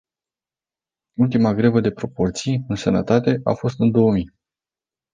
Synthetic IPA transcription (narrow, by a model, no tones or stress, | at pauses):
ult̪imaɡɾe̞vəd̪e̞pɾo̞po̞rt̪sijɨnsənə̰t̪at̪e̞ʔa̰fo̞st̪ɨnd̪o̞wəmi